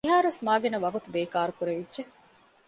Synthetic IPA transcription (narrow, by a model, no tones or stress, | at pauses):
iɦaːɾuesmaːɡenɐʋɐɡut̪ubeːkaːɾukuɾeʋidʒe